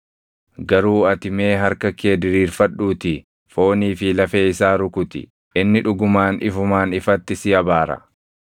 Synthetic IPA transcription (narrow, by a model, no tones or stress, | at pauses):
ɡɐɾuːɐt̪ɪme̞ːɦɐɾkɐkeːd̪ɪɾiːɾfɐɗuːt̪ɪ | fo̞ːniːfɪlɐfe̞ːɪsaːɾʊkʊt̪ɪ̰ | ʔɪnːɪᶑʊɡʊmaːnɪ̰fʊmaːnɪfɐt̪ːɪsɪɐbaːɾɐ̰